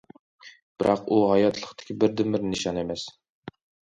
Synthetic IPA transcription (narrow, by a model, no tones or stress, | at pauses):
b̥ɪɾʔɑquɦɑjɑt̪ʰlˠəqt̪ʰɪ̥kʲibɪɾd̪ɪmɪɾnɨʃɑnemɛs